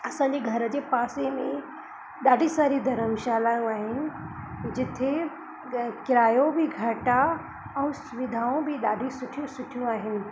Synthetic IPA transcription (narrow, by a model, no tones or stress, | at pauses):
ɐsãɲ̆d͡ʑeɡʱɐɾəd͡ʑepaːsemḛ̃ | ɗaːɖʱisaːɾid̪ʱɐɾəmʃaːlaːjũaːɦɪnɪ̆d͡ʑɪt̪ʰe | kɪɾaːjõbʱiɡʱɐʈa | ɛ̃ːsʊʋɪd̪ʱaːõbʱiɗaːɖʱisʊʈʰijũsʊʈʰijũaːɦɪnɪ̆